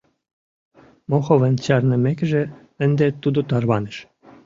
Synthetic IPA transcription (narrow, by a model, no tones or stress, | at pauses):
moxovənt͡ɕɑrnə̆mekʒĕ | ə̆nd̪et̪ud̪ot̪ɑrβɑnĕʃ